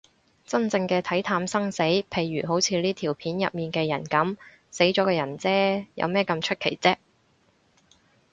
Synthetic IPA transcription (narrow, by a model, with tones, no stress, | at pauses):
t͡sɐ˥nt͡sɪ˧ŋkɛː˧t̪ʰɐ˨˥jt̪ʰaː˧msɐ˥ŋse˨˥jpʰe˨˧jːyː˨˩ɦo˨˥wt͡sʰiː˧liː˥t̪ʰiː˨˩wpʰiː˨˥njɐ˨p̚miː˨˩nkɛː˧jɐ̰˨˩nkɐ˨˥m | se˨˥jt͡ʃɔː˨˥kɛː˧jɐ˨˩nt͡sɛː˥jɐ̰˨˧wmɛː˥kɐ˧mt͡ʃʰɵ˥t̚kʰe˨˩jt͡sɛː˥